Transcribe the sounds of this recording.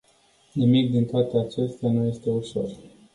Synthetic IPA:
nimik̚d̪int̪oat̪eat͡ʃe̞st̪eanuje̞st̪e̞uʃo̞r

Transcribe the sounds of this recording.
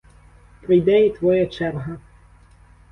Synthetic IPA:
pɾɪjd̪ɛit̪ʋɔjat͡ʃɛɾɦɐ

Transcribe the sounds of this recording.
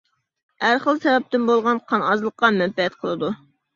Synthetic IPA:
æɾχəlˠsɛvɛp̚t̪ɪnbolˠʁɑnqʰɑnɑzlˠəqːɑmɛnpɛɛt̪̚qʰəlˠɨd̪u

